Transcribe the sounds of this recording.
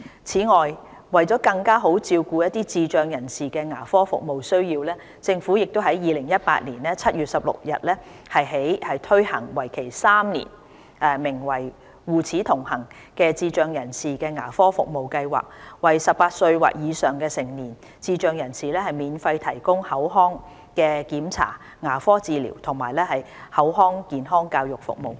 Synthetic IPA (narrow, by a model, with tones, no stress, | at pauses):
t͡sʰiː˨˥ŋɔː˨j | wɐ˨˩jt͡sɔ˨˥kɐ˧ŋkaː˥ɦo˨˥wt͡siː˧wkuː˧jɐ˥t̚t̪iː˥t͡siː˧t͡ʃœː˧ŋjɐ˨˩nsiː˨kɛː˧ŋaː˨˩fɔː˥fʊ̰˨k̚mo˨wsɵ˥ɥjiː˧wlɛː˥ | t͡sɪ˧ŋfuː˨˥jɪ˨k̚t̪o˥wɦɐ˨˥jjiː˨˧lɪ˨˩ŋjɐ˥t̚pa̰ː˧t̚niː˨˩nɛː˥t͡sʰɐ˥t̚jyː˨t̚sɐ˨p̚lʊ̰˨k̚jɐ˨t̚lɛː˥ | hɐ˨jɦe˨˥jhɐ˨jt̪ʰɵ˥ɥhɐ̰˨˩ŋwɐ˨˩jkʰe˨˩jsaː˥mnḭː˨˩n | ʔɛː˨mɪ˨˩ŋwɐ˨˩j | wuː˨t͡sʰiː˨˥t̪ʰʊ˨˩ŋhɐ˨˩ŋ | kɛː˧t͡siː˧t͡ʃœː˨ŋjɐ˨˩nsiː˨kɛː˧ŋaː˨˩fɔː˥fʊ̰˨k̚mo˨wkɐ˧jwa̰ː˨k̚wɐ˨jsɐ˨p̚paː˧t̚sɵ˧ɥwa̰ː˨k̚jiː˨˧sœː˨˩ŋkɛː˧sɪ˨˩ŋniː˨˩n | t͡siː˧t͡ʃœː˨˧ŋjɐ˨˩nsiː˨lɛː˥hɐ˨jmiː˨˧nfɐ˧jt̪ʰɐ˨˩jkʊ˥ŋhɐ˨˥wɦɔː˥ŋ | kɛː˧kiː˨˥mt͡sʰa̰ː˨˩ | ŋaː˨˩fɔː˥t͡siː˧lḭː˨˩wt̪ʰʊ˨˩ŋmaː˨˩jlɛː˥hɐ˨j | hɐ˨˥wɦɔː˥ŋkiː˨nɦɔː˥ŋkaː˧wjʊ˨k̚fʊ̰˨k̚mo̰˨˩w